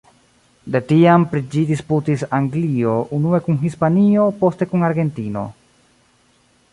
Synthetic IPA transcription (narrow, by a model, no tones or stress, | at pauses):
de̞tiampɾid͡ʒidisputisaŋɡlio̞ʔunue̞kunɦispanio̞po̞ste̞kunaɾɡe̞ntino̞̰